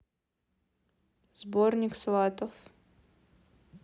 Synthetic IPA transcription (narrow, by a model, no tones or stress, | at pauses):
zbornʲɪkslˠat̪əf